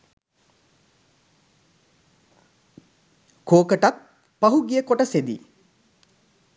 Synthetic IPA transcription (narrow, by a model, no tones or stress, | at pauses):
koːkəʈat̪̚ | pɐɦuɡijəkoʈəsed̪ḭ